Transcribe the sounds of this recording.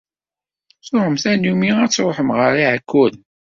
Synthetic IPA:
sʊɾəmθænumiæt͡sːɾoħəmʁəɾiʕəkʰːʊl

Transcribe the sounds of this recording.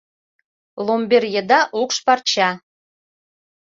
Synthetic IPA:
lˠombʲerʲjed̪ɑʔukʃpɑrt͡ɕɑ

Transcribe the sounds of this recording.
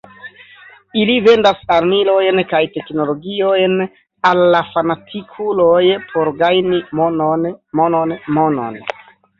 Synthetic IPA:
ilive̞ndasaɾmilo̞jnkajte̞kno̞lo̞ɡiojn | alːafanatʰikʰulojpʰo̞ɾɡajnim | mononmono̰n

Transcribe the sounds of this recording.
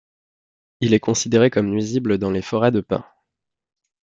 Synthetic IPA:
ilɛkɔ̃sid̪eʁekɔmnɥizibləd̪ɑ̃lefɔʁɛd̪əpɛ̰̃

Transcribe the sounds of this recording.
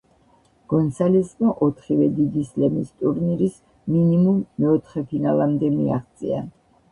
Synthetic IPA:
ɡ̥ɔnt̪saliskʼmaʔɔt̪ʰχivɛd̪id̪islɛmist̪ʼuɾniɾis | minimumːɛɔt̪ʰχɛpʰinalamd̪ɛmiaχt̪sʼḭa̰

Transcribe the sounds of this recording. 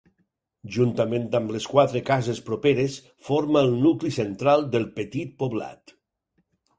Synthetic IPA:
ʒunt̪amẽnt̪ambleskwat̪ɾekazespɾopeɾes | foɾmalˠnuklisent̪ɾalˠd̪əlˠpət̪it̪̚poβla̰t̪

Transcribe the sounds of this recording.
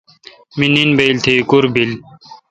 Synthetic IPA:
mininbeilt̪ʰekuɾbil

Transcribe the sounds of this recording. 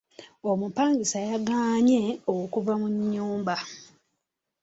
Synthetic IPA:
omupaːŋɡisajaɡaːɲe̞owokuvamuɲːuːmba

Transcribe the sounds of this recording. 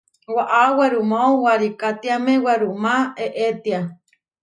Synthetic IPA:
waʔaweɾumaowaɾikat̪iamẽwaɾumãeʔet̪ia

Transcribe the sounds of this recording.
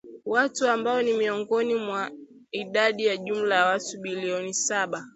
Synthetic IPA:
watuambaɔnimiɔŋɡɔnimwa | iɗaɗijaʄum̩lajawatuɓiliɔnisaɓa

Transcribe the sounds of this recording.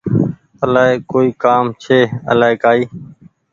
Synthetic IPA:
əlaːɦeːkoːiːkaːmt͡ʃʰeːə̰laːɦeːkaːiː

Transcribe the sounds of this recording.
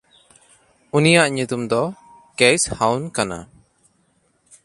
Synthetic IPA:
unijaʔɲut̪umd̪ɔ | kejshawnkana̰

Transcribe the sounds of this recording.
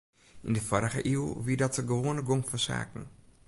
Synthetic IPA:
ḭndəfɔɾəχə̰ʔilʋiːdɔtəɡəʋoːənəɡoŋfɔsa̰ːkn̩

